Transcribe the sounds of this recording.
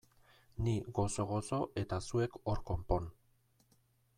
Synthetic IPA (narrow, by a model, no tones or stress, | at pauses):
niɣo̞so̞ɣo̞so̞ʔe̞t̪asue̞ko̞ɾko̞mpo̞n